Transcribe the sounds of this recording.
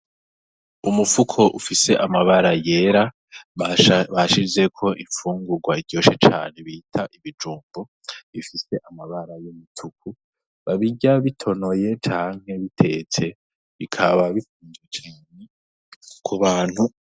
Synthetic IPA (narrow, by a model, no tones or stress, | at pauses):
umufukʰo̞ʔufise̞ʔamaβaɾaje̞ɾa | βaʃize̞kʰo̞ʔiɱfuːŋɡuɾɡwaiɟjo̞ʃet͡ʃa̰ːne̞βiːtʰaʔiβid͡ʒuːmbo | ifise̞ʔamaβaɾajomutʰukʰu | βaβiɟaβitʰo̞no̞je̞t͡ʃaːŋ̥he̞βitʰe̞̰t͡se̞ | βikʰaβaβifuːnzwet͡ʃaːne | kʰuβaːn̥hu